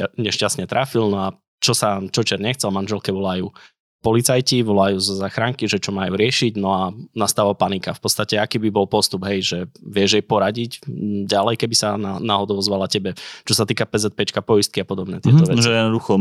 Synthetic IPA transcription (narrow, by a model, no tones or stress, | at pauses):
aɲɛʃcast̪ɲɛt̪ɾʔafilnɔa | t͡ʃɔsat͡ʃɔt͡ʃɛɾɲɛxt͡sɛlmanʒɛlkɛʋɔlajuː | pɔlit͡sajciʋɔlajuːzɔzaːxɾaŋkiʒɛt͡ʃɔmajuːɾɪɛʃiɟnɔanast̪aːʋapanikafpɔt̪st̪acɛakiːbibɔlpɔst̪ubɦɛjʒɛʋɪɛʒjɛjpɔɾaɟicɟalɛjkɛbisananaːɦɔd̪ɔʊɔzʋalacɛbɛt͡ʃɔsat̪iːkapɛzɛt̪̚pɛt͡ʃkapɔjist̪kiapɔd̪ɔbnɛ̰ːt̪ɪɛt̪ɔʋɛʒɛjɛd̪nɔd̪uxɔ